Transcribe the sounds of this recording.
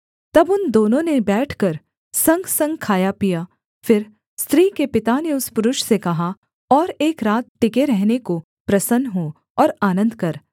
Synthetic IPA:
t̪ɐbʊnd̪oːnõnebɛːʈʰkɐɾ | sɐ̃ŋɡsɐ̃ŋɡkʰaːjapijaː | fɪɾ | st̪ɾiːkepɪt̪aneʊspʊɾʊʃsekɐɦa | ɔːɾeːkɾaːt̪̚ʈɪkeɾɛɦneko | pɾɐsənɦõ | ɔːɾaːnə̃nd̪kɐɾ

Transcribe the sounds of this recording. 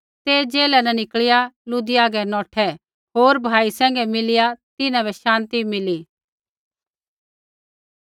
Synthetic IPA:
t̪ed͡ʒeːlɛnɛ̃nɪkɭɪjalʊd̪ijaːɡɛnɔːʈʰɛ | ɦoːɾbʱaːisɛ̃ːŋɡɛmɪlɪjat̪ɪnãbɛʃãːnt̪imɪli

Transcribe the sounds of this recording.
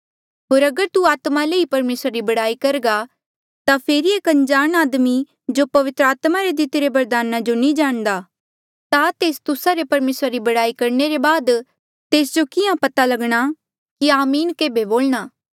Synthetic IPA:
ɦoːɾɐɡəɾt̪uaːt̪maleːipɐɾmeːsɾaɾibɐɽaːikɐɾɡa | t̪apʰeːɾieːkɐ̃nd͡ʒaːnaːd̪mi | d͡ʒopɐʋɪt̪ɾəaːt̪maɾed̪ɪt̪eɾebɐɾd̪aːnad͡ʒonĩd͡ʒaːɽ̃d̪aː | t̪at̪eːst̪ʊsaɾepɐɾmeːsɾaɾibɐɽaːikɐɾneɾebaːd̪ | t̪eːsd͡ʒokɪjãpɐt̪alɐɡɽ̃a | kiaːmiːnkeːbeboːlñaː

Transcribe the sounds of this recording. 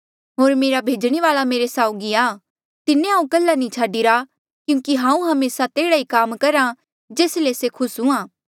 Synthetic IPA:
ɦoːɾmeːɾabʱeːd͡ʒɽ̃eʋaːlameːɾesaːʊɡiaː | t̪ɪnːẽãːũkɐlːanĩt͡ʃʰaːɖiɾa | kjũːkiɦãːũɦɐmeːsat̪eːɽaikaːmkɐɾã | d͡ʒeːslesekʰʊsɦũãː

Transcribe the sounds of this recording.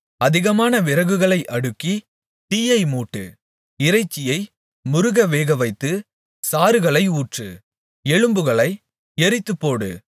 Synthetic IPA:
ɐðɪɣɐmaːnɐʋɪɾɐɣɯɣɐɭɐɪʔɐɽɯkːi | t̪iːjɐɪmuːʈːɯ̰ | ɪɾɐɪt͡ʃːɪjɐɪ | mʊɾʊɣɐʋeːɣɐʋɐɪt̪ːɯ | saːɾɯɣɐɭɐɪuːʈrɯ̰ | ɛɻɯmbɯɣɐɭɐɪ | ɛɾɪt̪ːɯpːoːɽɯ̰

